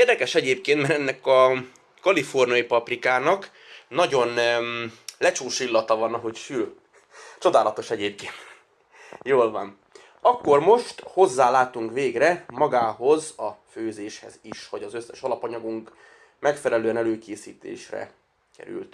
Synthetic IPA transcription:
eːrd̪ɛkɛʃɛɟeːp̚keːnt̪mɛɾɛnːɛkɒ | kɒlifo̞rnijɒjipɒprikaːnɒk | nɒɟo̞n | lɛt͡ʃoːʃilːɒt̪ɒvɒnɒɦo̞cʃyl | t͡ʃo̞d̪aːlɒt̪o̞ʃɛɟeːp̚keːnt̪ | joːlvɒn | ɒkːo̞rmo̞ʃt̪ho̞zːaːlaːt̪uŋkʋeːɡrɛmɒɡaːɦo̞zɒføːzeːʃhɛ̰ziʃhoɟɒzøsːɛʃɒlɒpɒɲɒɡuŋk | mɛkfɛlɛløːɛnɛløːkeːsiːt̪ḛːʃrɛ̰ | kɛ̰ɾy̰lt̪

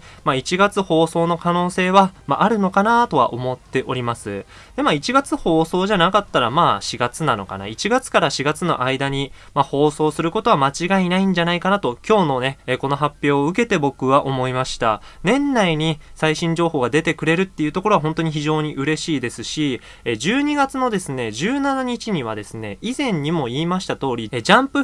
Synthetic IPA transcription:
mait͡ɕiɡat͡sɨho̞ːso̞ːno̞kano̞ːse̞ːβamaʔaɾɯ̟no̞kanat̪o̞βa̰ʔo̞mo̞t̪ːe̞ʔo̞ɾʲimasɨ̰ | d̪emait͡ɕiɡat͡sɨho̞ːso̞ːʑanakat̪ːaɾamaːɕiɡat͡sɨnano̞ka̰na̰it͡ɕiɡat͡sɨ̥kaɾaɕiɡat͡sɨno̞̰ʔaid̪aɲ̟i | maho̞ːso̞ːsɨɾɯ̟ko̞t̪o̞β̞amat͡ɕiɡainaĩɲ̟d͡ʑanaikanat̪o̞kʲo̞ːno̞ne̞ko̞no̞ɦapʲːjo̞ːɯ̟k̬e̞t̪e̞bo̞kɯ̟βaʔo̞mo̞imaɕi̥t̪a | nẽ̞nːaiɲ̟isaiɕĩɲ̟d͡ʑo̞ːɦo̞ːɡad̪e̞t̪e̞kɯ̟ɾe̞ɾɯ̟t̪ːe̞iɯ̟t̪oko̞ɾo̞aɦõ̞nt̪o̞ɲ̟içiʑo̞ːɲ̟iʔɯ̟ɾe̞ɕiːd̪e̞sɨɕi | ed͡ʑɨːɲ̟iɡat͡sɨno̞d̪e̞sɨne̞d͡ʑɨːnanaɲ̟it͡ɕiɲ̟iβ̞ad̪e̞sɨne̞izẽ̞ɲ̟ːimo̞iːmaɕi̥t̪at̪o̞ːɾʲied͡ʑãmpɯ̟

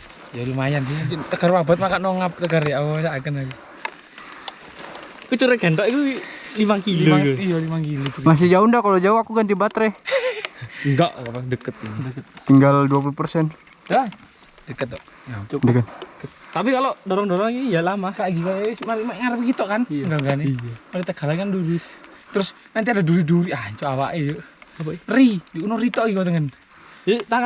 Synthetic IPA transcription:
jalumajandiit̪əkərwabat̪̚makanɔŋap̚t̪əkaɾjaawsaakənaɡi | kut͡ʃuɾekɛnt̪ɔʔik̪ulimaŋkiliumakijalimaŋkilutumas̬ɪd͡ʒaundakalod͡ʒauakukant̪ibat̪ɾɛ | ŋɡa̰ʔkapadəkət̪̚dəkət̪̚t̪iŋɡalduap̬ulupərsɛn | da | dəkət̪̚ːɔ | adəkət̪dəkət̪̚t̪apikalodoɾɔŋdoɾɔŋijalamakaʔɡikaasmaɾimaŋaɾbəɡit̪okanŋɡaŋɡanɛmadit̪əkalakanduɾi | t̪ɾʊs | nant̪iadaduɾiduɾiaɲt͡ʃoawaʔɛd͡ʒu | ridiunɔrit̪oʔikot̪əŋən | it̪aa

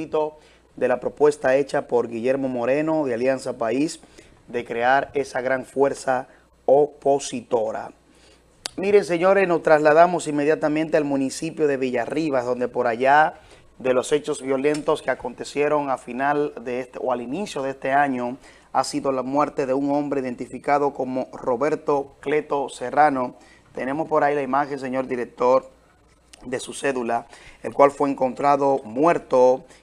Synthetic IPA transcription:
it̪o̞ | ðe̞lapɾo̞pwe̞st̪ae̞t͡ʃapo̞ɾɡiʝe̞ɾmo̞mo̞ɾe̞no̞ðealjansapais | d̪e̞kɾeaɾe̞saɣɾaɱfwe̞ɾsa | opo̞sit̪o̞ɾa̰ | miɾe̞ŋse̞ɲo̞ɾesno̞st̪ɾaslað̞amo̞siŋme̞ðjat̪amẽnt̪ealmũnisipjo̞ðe̞β̞iʝariβazðo̞nd̪e̞po̞ɾaʝa | ðe̞lo̞se̞t͡ʃo̞zβjole̞nt̪o̞skeako̞nt̪e̞sje̞ɾo̞ŋafinald̪eest̪eoalinisjo̞ðest̪e̞aɲo̞ | asiðo̞lamwe̞ɾt̪e̞ðe̞uŋõ̞mbɾeiðe̞nt̪ifikaðo̞ko̞mo̞ro̞βe̞ɾt̪o̞kle̞t̪o̞serano̞ | t̪e̞ne̞mo̞spo̞ɾailaimaxe̞ŋs̬e̞ɲo̞ɾðiɾek̚t̪o̞ɾ | ðe̞suse̞ðulaelkwalfwe̞ːŋko̞nt̪ɾaðo̞mwe̞ɾt̪o

